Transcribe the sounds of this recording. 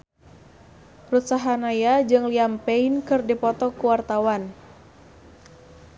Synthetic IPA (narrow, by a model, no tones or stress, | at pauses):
rut̪saɦanajad͡ʒɨŋliampeinkɨrdipɔt̪ɔkuwart̪awan